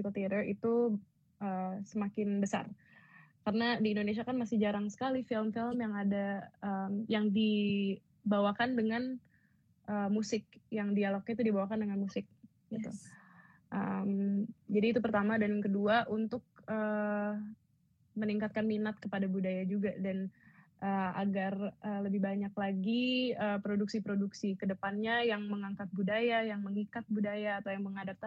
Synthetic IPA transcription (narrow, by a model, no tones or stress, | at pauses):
kot̪eɾərḭt̪u | əːsəmakɪnbəsa̰r | karənadiːndonesiakanmasɪhd͡ʒaɾaŋsə̥kalifɪlmfɪlmjaŋadaəmjaŋdi | bawakandəŋan | ʔəːmusɪk̚jaŋdialok̚ait̪udibawakandəŋanmusɪk̚ | ɡit̪ṵ | ʔə̰md͡ʒadiːt̪upərt̪amadanjaŋkəduaʔunt̪ʊk̚əː | məniŋkat̪̚kanminat̪̚kəpadabudajad͡ʒuɡadanʔəaɡarəːləbɪhbaɲaklaɡiəpɾoduksipɾoduksikədəpanɲajaŋməŋaŋkat̪̚budajajaŋməŋikat̪̚budajaːt̪awjaŋməŋadap̚t̪a